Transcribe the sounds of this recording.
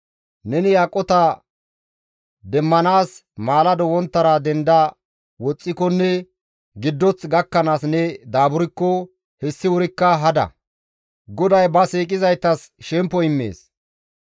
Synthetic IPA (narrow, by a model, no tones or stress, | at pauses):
nɛnɪjaːkʼːɔt̪ɐ | d̪ɛmːɐnaːs | maːlɐd̪ɔwɔnt̪ːɐɾad̪ɛnd̪ɐ | wɔt͡sʼːɪkɔnːɛ | ɡɪd̪ːɔt͡sɡɐkːɐnaːsnɛd̪aːbʊɾɪkːɔ | hɛsːɪwʊɾɪkːɐɦɐd̪ɐ̰ | ɡɔd̪ɐjbɐsiːkʼɪzɐjt̪ːɐsʃɛmpːɔɪmːḛːs